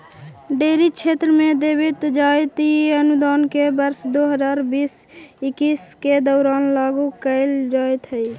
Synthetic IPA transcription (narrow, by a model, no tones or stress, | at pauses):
ɖeɾit͡ʃʰet̪ɾəmed̪ebit̪d͡ʒajt̪iənud̪aːnkebəɾsd̪oɦəd͡ʒaːɾbisɪkisked̪ɔʊɾaːnlaɡukəɪld͡ʒajt̪ɦəj